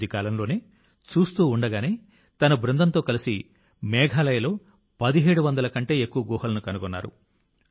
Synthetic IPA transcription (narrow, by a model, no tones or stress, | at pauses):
d̪ʱikaːlɐmlo̞ːneː | t͡ʃuːst̪uːɳɖɐɡaːne̞ː | t̪ɐnɐbɾɐnd̪ɐnt̪o̞ːkɐlisi | mɛːɡʱaːlɐjɐlo̞ː | pɐd̪iɦeːɽuʋɐnd̪ɐlɐkɐɳʈe̞ːekːuʋɐɡɔːɦɐlɐnukɐnuɡɔnːa̰ːɾṵ